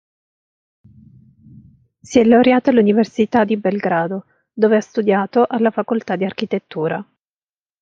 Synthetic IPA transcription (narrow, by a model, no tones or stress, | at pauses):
siɛlːawɾjaːt̪aluniversit̪ad̪ibɛlɡɾaːd̪o | d̪oːveast̪ud̪jaːt̪oʔalːafakolt̪ad̪ːiark̟it̪et̪ːuːɾa